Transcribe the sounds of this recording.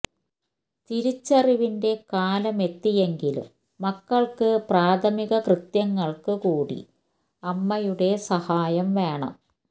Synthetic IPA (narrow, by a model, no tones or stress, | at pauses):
t̪iɾit͡ɕːɐriʋinde̞kaːlɐme̞t̪ːije̞ŋɡilṵmː | ɐkːɐɭkɨpraːd̪ʱʰɐmiɣɐkrɨt̪jɐŋːɐɭkɨkuːɽḭ | ɐmːɐjuɽe̞sɐhaːjɐmʋe̞ːɳɐ̰m